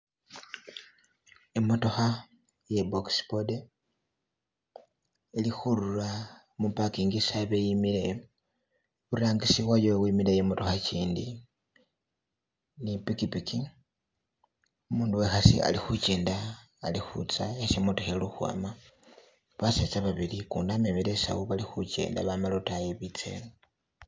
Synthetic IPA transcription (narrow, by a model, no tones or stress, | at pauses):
emo̞to̞xa | jebokspode | ilixuɾula | mupakiːŋɡisaβejimile̞ | βuɾaːŋɡisiβwajowimilejemoto̞xaciːndi | nipikipiki | umuːnduwe̞xasḭa̰lixuce̞ːndaː | lixṵt͡saesimutuxeluxwa̰ma | βaset͡saβaβilikṵndamemilesa̰wuβalixuce̞̰ːnda̰βamalotajeβit͡sḛlo